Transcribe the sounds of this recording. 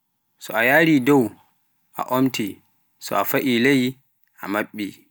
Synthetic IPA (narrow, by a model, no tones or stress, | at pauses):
sɔajaɾidɔw | ʔa̰ʔomti | sɔ̰afaʔilej | ʔa̰maɓːi